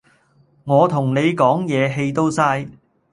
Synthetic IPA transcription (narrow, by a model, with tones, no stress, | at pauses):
ŋɔː˨˧t̪ʰʊ˨˩ŋne˨˧jkɔː˨˥ŋjɛː˨˧ɦe˧jt̪o˥wsaː˧j